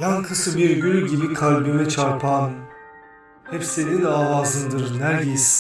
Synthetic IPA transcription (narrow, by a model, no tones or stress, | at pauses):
jankʰɯsɯbiɾɟylʲɟibikʰalʲbøvɛt͡ʃʰaɾpʰaːnɯm | hɛpsenid̪ɛavaːzɯnd̪ɯɾɯnæɾjes